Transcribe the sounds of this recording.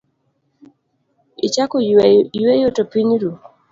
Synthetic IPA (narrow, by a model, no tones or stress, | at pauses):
it͡ʃakɔjwejotopiɲɾu